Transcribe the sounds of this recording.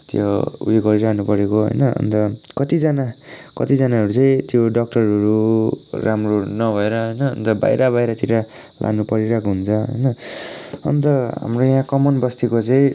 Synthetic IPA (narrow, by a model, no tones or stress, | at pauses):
t̪jo̰ṵeɡʌɾiɾaknupʌɾekoɦʌ̰jnʌʌ̰nt̪ʌkʌt̪id͡zanakʌt̪id͡zanaɦʌɾut͡sʌĩt̪joɖʌk̚ʈʌɾʌɾuramronʌbʱʌeɾʌɦʌjnʌːnt̪ʌba̰jɾʌbajɾʌt̪iɾa | lʔa̰ɡnupʌɾiɾʌkɦunt͡sʰʌɦʌ̰jnʌ | ʌ̰nt̪ʌɦa̰mrojãkʌmʌnbʌst̪ikot͡sʌĩ